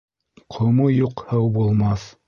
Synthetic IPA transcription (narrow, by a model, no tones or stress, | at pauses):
qʰŏmojuqhɑwbulˠmɑθ